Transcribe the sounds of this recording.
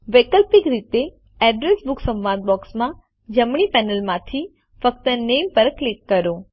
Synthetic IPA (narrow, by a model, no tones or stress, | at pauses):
ʋekəlpikɾit̪e | ɛɖɾesbuksə̃mʋãd̪̚bɔksmã | d͡ʒəmɽipɛnəlmãt̪ʰi | fək̚t̪ənempəɾklikːəɾo